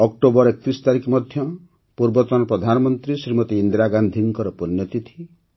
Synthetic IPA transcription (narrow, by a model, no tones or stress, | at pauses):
ɔk̚ʈobɔɾek̚t̪isɔ̥t̪aɾikɔmɔd̪ʱjɔ | puɾbɔt̪ɔnɔpɾɔd̪ʱanɔmɔnt̪ɾisɾimɔt̪iind̪ɾaɡand̪ʱiŋkɔɾɔpɔnjɔt̪it̪ʰi̥